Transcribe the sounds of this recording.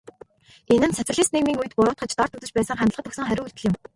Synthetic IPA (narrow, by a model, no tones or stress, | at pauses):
enɘ̆nsæt͡s̪ɘ̆ɮĭːsneɣmiːŋujt̪̚pʊɾʊːt̪̚χə̆t͡ɕt̪ɔrt̪ɵt̪ɵ̆t͡ɕpæːsə̆ŋχæmʲt̪əɮʁə̆t̪ɵ̆ksə̆ŋχæɾʲʊ̆ːuɮt̪ɘ̆ɮʲɪ̆m